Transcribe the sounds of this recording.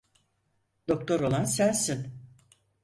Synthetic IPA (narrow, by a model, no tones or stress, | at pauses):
d̪̥o̞k̚t̪ʰo̞ɾo̞lˠansænsin